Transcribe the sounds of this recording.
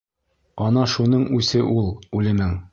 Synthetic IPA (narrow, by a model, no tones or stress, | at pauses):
ɒnɑʃunɤɴʉsɘʔulˠʉlɘ̆mɘŋ